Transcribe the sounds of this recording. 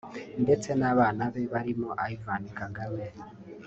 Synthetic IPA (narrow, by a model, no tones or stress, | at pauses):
nde̞t͡se̞naβaːnaβe̞βaɾimoʔaivanikaŋɡawe